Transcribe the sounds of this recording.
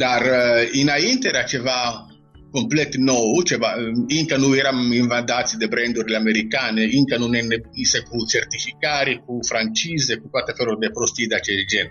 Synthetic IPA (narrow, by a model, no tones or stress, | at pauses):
d̪aɾinaint̪ɛɾat͡ʃɛva | komplɛt̪ːnɔut͡ʃɛvaiŋkanuɛɾamiɱvand̪at̪sid̪ebɾɛnd̪uɾlameɾikaːneiŋkanunɛnɛbisekut͡ʃɛɾt̪ifikaːɾikufɾant͡ʃiːzekukwat̪ɛfɛɾɔd̪ɛpɾost̪id̪at͡ʃɛd͡ʒɛn